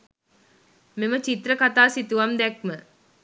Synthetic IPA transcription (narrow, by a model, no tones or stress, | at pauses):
memət͡ʃit̪ɾəkat̪aːsit̪uʋamd̪ɛk̚mə